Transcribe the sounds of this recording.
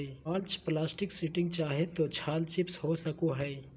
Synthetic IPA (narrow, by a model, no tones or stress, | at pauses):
iaːlt͡ʃplaːsʈɪksɪʈɪ̃ŋɡ̚t͡ʃaːɦet̪ot͡ʃʰaːlt͡ʃɪpshosəkoɦɛi